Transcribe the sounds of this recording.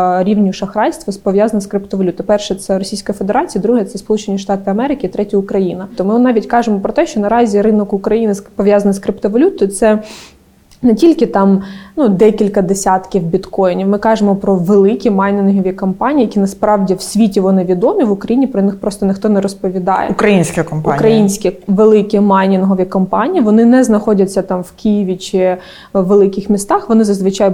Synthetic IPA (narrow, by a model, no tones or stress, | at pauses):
ɾʲiwnʲiʃɐxɾɑjst̪ʋɐspɔʋjazɐnɐskɾɪp̚t̪ɔʋɐlʲut̪ɐpɛrʃɛt̪sɛɾɔsʲijsʲkɐɐfed̪eɾɑt͡sʲijɐd̪ɾuɦɛt̪sɛspɔlˠut͡ʃenʲiʃt̪ɑt̪ɪɐmɛɾɪkɪːt̪ɾɛtʲɐʊkɾɐjinɐt̪ɔmɪnɑʋʲitʲkɑʒemɔpɾɔt̪ɛʃt͡ʃɔnɐɾɑzʲiɾɪnɔkʊkɾɐjinɪspɔʋʲjazɐnskɾɪpt̪ɔʋɐlʲut̪ɔt̪sɛ | netʲilʲkɪt̪ɑmnud̪ɛkʲilʲkɐd̪esʲat̪kʲiwbʲit̪kɔjnʲiwmɪkɑʒemɔpɾɔʋelˠɪkʲimɑjnʲɪnɦɔʋʲikɔmpɑnʲiːjɐkʲinɐspɾɑwdʲiwsʲʋʲitʲiʋɔnɪʋʲid̪ɔmʲiʋʊkɾɐjinʲipɾɔnɪxpɾɔst̪ɔnɪxt̪ɔnɛɾɔspɔʋʲid̪ɑ̰jɛ̰ʊkɾɐjinʲsʲkʲɐkɔmpʊkɾɐjinʲsʲkʲiʋelˠɪkʲimɑjnʲɪnɦɔʋʲikɔmpɑnʲijiʋɔnɪnɛznɐxɔdʲɐt͡sʲːɐt̪ɑmʋkijiʋʲit͡ʃɪ | ʋːelˠɪkɪxmʲist̪ɑxʋɔnɪzɐzʋɪt͡ʃɑj